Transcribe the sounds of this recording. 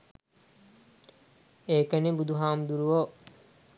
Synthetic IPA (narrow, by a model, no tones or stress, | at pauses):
eːkənebud̪uɦaːmd̪uɾuʋo